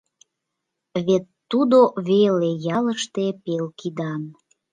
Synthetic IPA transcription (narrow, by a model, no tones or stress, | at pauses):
βet̪ːud̪oβelejɑləʃt̪epelkʰid̪ɑn